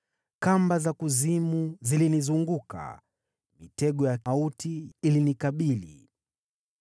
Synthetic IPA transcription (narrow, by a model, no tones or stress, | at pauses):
kambazakuzimuzilinizuŋɡuka̰ | mitɛɠɔjautiilinikaɓilḭ